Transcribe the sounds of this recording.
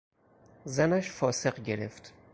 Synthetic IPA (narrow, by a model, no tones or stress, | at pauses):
zænæʃfɒːse̞ɢɟe̞ɾeft̪